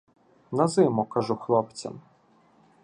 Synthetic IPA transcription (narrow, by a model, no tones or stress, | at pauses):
nɐzɪmʊkɑʒʊxlˠɔpt͡sʲɐ̰m